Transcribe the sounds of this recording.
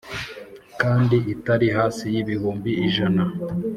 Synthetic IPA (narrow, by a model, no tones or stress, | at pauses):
kaːndiʔitaɾiɦaːsijiβihuːmbiːʒana